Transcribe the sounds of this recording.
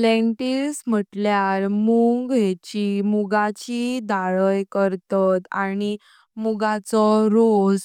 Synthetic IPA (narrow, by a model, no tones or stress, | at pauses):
leɳʈilsm̤əʈljaɾmuŋɡɦet͡ɕimuɡat͡ɕid̪aɭəjkəɾt̪at̪añi | muɡat͡sɔɾod͡z